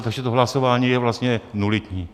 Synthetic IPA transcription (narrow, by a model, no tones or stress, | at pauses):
t̪aɡʒɛt̪oɦlasovaːɲiːjɛvlast̪ɲɛnulɪt̪ɲiː